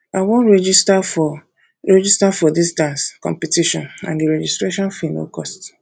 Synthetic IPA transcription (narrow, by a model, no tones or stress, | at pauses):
awõnɹɛd͡ʒistafɔ | ɹɛd͡ʒistafɔdisdãnskɔ̰̃mpitiʃɔ̰̃nã̰nɡeɾɛd͡ʒistɾeʃɔ̃nfino̰kɔst